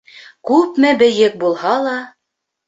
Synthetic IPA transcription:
kʉpmɘbɘ̆jɘk̚bulˠhɑlˠɑ

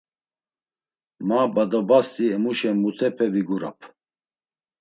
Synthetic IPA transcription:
mabad̪ɔbast̪ʼiɛmuʃɛmut̪ʰɛpʰɛviɡuɾa̰pʰ

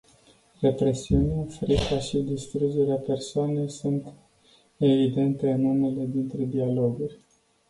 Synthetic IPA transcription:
re̞pɾe̞siunafɾikaʃid̪ist̪ɾud͡ʒe̞ɾeape̞rsoane̞jsunt̪ | e̞vid̪e̞nt̪e̞ɨnume̞le̞d̪int̪ɾe̞d̪ialo̞ɡurʲ

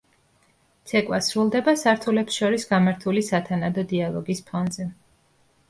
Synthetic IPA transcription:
t̪sʰɛkʼwasɾulˠd̪ɛbasaɾt̪ʰulɛpsʃɔɾisɡamaɾt̪ʰulisat̪ʰanad̪ɔd̪ialˠɔɡispʰɔnzɛ

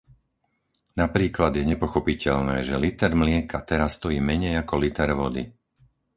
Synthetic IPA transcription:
napɾiːklad̪jɛɲɛpɔxɔpicɛʎnɛːʒɛlit̪ɛɾmlɪɛkʰat̪ɛɾasːt̪ɔjiːmɛɲɛjakɔlit̪ɛɾʋɔd̪ḭ

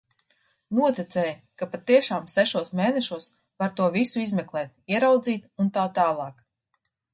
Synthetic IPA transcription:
nuɔt̪it̪sɛːjkapat̪iɛʃaːmsɛʃuɔsmeːnɛʃuɔs | vaɾt̪uɔvisuizmɛklˠɛːt̪̚iɛɾawd̪ziːt̪unt̪aːt̪aːlˠɑːk

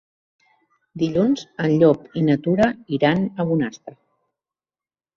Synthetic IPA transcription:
d̪iʎunz̥ənʎɔpinət̪uɾəiɾanəβunast̪ɾə

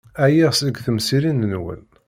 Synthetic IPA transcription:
æjiʁsəɡθəmsiɾinːənwə̰l

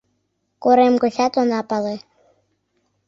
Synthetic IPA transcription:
koɾemɡŏsɑt̪onɑpɑle

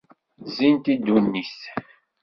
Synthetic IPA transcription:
zint̪id̪unːis

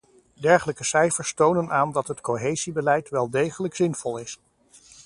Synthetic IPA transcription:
dɛɹχələkəsɛjfəɹstownənaːndɑtɦətkoɦejzibəlɛjtʋɛlˠdejχələksɪnv̥ɔlˠɪs

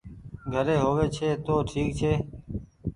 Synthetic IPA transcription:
ɡʱəɾeːɦoːʋeːt͡ʃʰeːt̪oːʈʰiːkt͡ʃʰeː

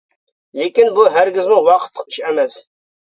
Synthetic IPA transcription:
lekʲinbuɦæɾɡʲɪzmuwɑqʰə̥t̪ʰːə̥qi̥ʃæmɛs

